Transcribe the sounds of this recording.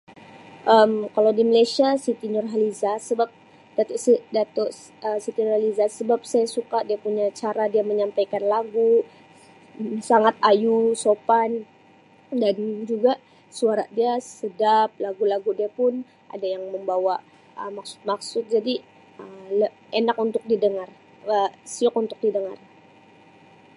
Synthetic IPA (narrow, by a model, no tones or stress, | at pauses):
ʔəmkalawdiməlajsiasit̪inɔrɦalizasəbap̚ | d̥at̪ɔʔsədat̪ɔʔ | əsit̪inɔrhalizasəbap̚sajasukadiapuɲat͡ʃaɾadiaməɲampajkanlaɡu | saŋat̪ajusopan | dand͡ʒuɡa | suaɾadiasədap̚laɡulaɡudiapʊn | ʔa̰dajaŋməmbawa | ə̰maksʊ̥t̪̚maksʊt̪̚d͡ʒadi | ələ | enakunt̪ʊk̚didəŋar | əsiɔk̚unt̪ʊk̚didəŋa̰r